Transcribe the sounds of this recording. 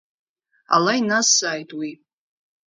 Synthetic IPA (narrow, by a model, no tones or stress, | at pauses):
a̰lainasaːjtʼwi